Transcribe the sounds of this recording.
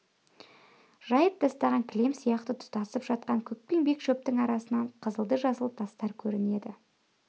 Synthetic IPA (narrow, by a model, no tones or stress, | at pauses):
ʒ̥ɑjəp̚d̪ɑst̪ɑʁɑŋkʲʰɪlemsijɑqt̪ət̪ʰʊ̥t̪ɑsəpʒɑt̪̚qɑŋkʲʰɵk̚pe̞ŋbe̞kʃɵp̚t̪ɪŋɑɾɑsənɑɴqʰəzəlˠd̪əʒɑsəlˠt̪ʰɑst̪ɑɾkʲʰɵɾɪne̞d̪ɪ